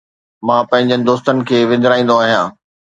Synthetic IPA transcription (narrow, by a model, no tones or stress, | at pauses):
mãːpɐ̃ɦɪ̃ɲd͡ʑənɪ̆d̪oːst̪ənɪ̆kʰeːʋɪ̃nd̪ɪɾaːĩnd̪oaːɦijãː